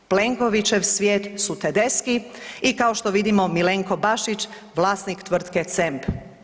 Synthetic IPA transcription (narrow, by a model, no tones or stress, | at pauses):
pleŋko̞ʋit͡ʃeʋsʋjeːt̪sut̪ed̪e̞skiikaoʃt̪oʋid̪imo̞mileŋko̞baʃit͡ʃ | ʋlˠaːsnikt̪ʋr̩t̪ket̪semp